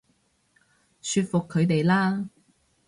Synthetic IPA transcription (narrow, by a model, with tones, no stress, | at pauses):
syː˧t̚fʊ˨kʰːɵ˨˧ɥt̪e˨jlaː˥